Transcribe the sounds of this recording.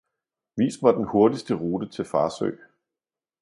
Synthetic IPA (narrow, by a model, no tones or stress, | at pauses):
ʋḭːsʋɑ̈d̥enho̝ɐdisd̥əʁuːd̥ət͡sʰe̝lfɑ̈ːsø̰ː